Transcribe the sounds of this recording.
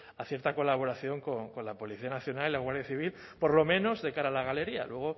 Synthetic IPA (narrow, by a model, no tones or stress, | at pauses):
aθje̞ɾt̪ako̞laβ̞o̞ɾaθjo̞ŋkoŋko̞nlapo̞liθianaθjo̞nalilaɣwaɾðjaθiβ̞il | po̞ɾlo̞mẽ̞no̞zðe̞kaɾaːlaɣale̞ɾia̰lwe̞ɣ̞o̞